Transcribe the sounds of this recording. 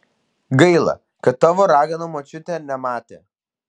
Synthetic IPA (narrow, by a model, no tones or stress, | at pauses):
ɡɐɪlˠɐ̰ | kɐt̪ːɑːʋoːɾɑːɡɐnoːmoːt͡ʃʲʊt̪ʲɛnʲɛmɑːt̪ʲeː